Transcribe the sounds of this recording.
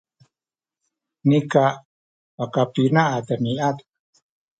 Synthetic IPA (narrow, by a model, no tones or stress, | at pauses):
nika | wakapinaʔat̪əniat̪